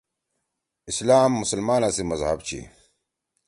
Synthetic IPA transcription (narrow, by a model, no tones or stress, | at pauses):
islaːmːʊsɐlmaːnasimɐzhɐ̰bt͡ɕʰḭ